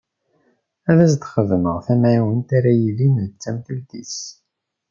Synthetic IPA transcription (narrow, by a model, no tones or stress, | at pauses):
æðæsd̪χəðməʁθæmʕawənt̪æɾæjilint͡sːæmθəld̪ḭs